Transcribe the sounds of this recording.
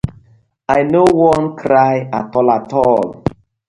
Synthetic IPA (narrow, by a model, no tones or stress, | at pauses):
ajnowɔnkɾajatɔlatɔl